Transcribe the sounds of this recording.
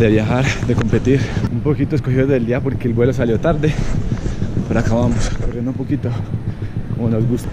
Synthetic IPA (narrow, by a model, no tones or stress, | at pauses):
d̪eβjaxaɾd̪eko̞mpe̞t̪iɾumpo̞kit̪oesko̞hiðoðeld̪iapo̞ɾke̞ːlbwe̞los̬aljo̞t̪aɾd̪e | peɾoakaβamoskorjend̪oumpo̞kit̪o | komono̞zɡust̪